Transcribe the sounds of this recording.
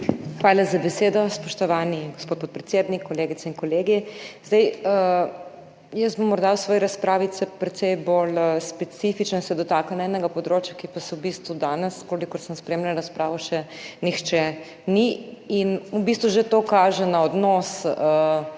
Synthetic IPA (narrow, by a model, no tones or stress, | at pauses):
xʋaːlazabɛseːd̪ɔspɔʃt̪ɔʋaniɡospoːt̪̚poːt̪̚pɾɛt̪sjeːd̪nikʰːɔleːɡit̪sɛinkɔleːɡizd̪ajə | jəst̪bɔmːɔɾd̪awsʋɔːjɛɾaspɾaːʋisɛpɾɛt̪sɛjbolspɛt̪sifit͡ʃnɔsɛd̪ɔt̪aːkanaɛnɛɡapɔd̪ɾoːt͡ʃjakipasɛwbist̪ʋud̪aːnɛskolikɔɾsəmspɾeːmlanɾɐspɾaːʋɔʃɛ | nixt͡ʃɛ | niinubist̪ʋuʒet̪oːkaːʒɛnaɔd̪nɔsə